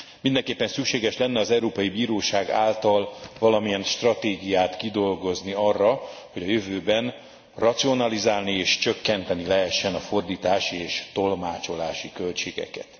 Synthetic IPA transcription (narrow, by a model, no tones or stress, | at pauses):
mind̪ɛŋkeːpːɛnsykʃeːɡɛʃlɛnːɛɒzɛuɾoːpɒjibiːɾoːʃaːɡa̰ːlt̪ɒlvɒlɒmijɛnʃt̪rɒt̪eːɡijaːt̪kid̪o̞lɡo̞zniɒrːɒho̞ɟɒjøvøːbɛn | rɒt̪sio̞nɒlizaːlnieːʃt͡ʃøkːɛnt̪ɛnilɛɦɛʃːɛnɒfo̞rd̪iːt̪aːʃieːʃt̪o̞lmaːt͡ʃo̞laːʃikølt͡ʃeːɡɛ̰kɛ̰t̪